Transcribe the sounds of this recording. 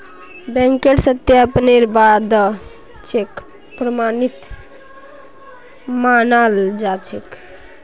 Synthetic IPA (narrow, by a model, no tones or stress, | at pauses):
bɛ̃ŋkeʈsət̪japneɾbad̪ə | t͡ʃʰek | pɾəmanit̪ | manald͡ʒat͡ʃʰek